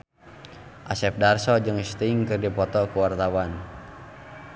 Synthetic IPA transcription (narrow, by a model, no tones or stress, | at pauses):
ʔasɛp̚darsɔd͡ʒɨŋst̪iŋkɨrdipɔt̪ɔkuwart̪awan